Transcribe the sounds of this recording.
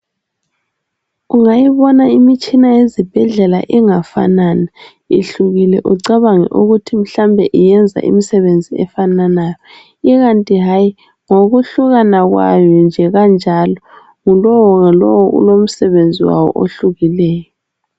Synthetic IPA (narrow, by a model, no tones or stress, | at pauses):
uŋajiβɔnaimit͡ʃʼinajezib̥ʱɛɮɛla̰ʔiŋafa̰nana | iɬuɣilɛ̰ʔuǀaβaŋɛ̰ʔuɣutʰim̩ɬambʱɛʔijɛnd͡zʱa̰ʔḭmisɛβend͡zʱiɛ̰fananaːjɔ | iɣantʼiɦaːji | ŋoɣuɬuɣanaɣwa̰jɔnd͡ʒʱɛɣand͡ʒʱalɔ | ŋulɔwɔŋalɔ̰wɔṵlom̩sɛβend͡zʱiwa̰wɔ̰ʔo̰ɬuɣilɛːjɔ